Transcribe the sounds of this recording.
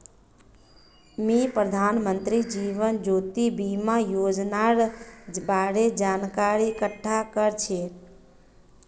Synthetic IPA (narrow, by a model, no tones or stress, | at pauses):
mipɾəd̪ʱanmənt̪ɾid͡ʒiʋənd͡ʒoːt̪ibimajod͡ʒnaɾbaɽed͡ʒankaɾikəʈʰːakəɾt͡ʃʰe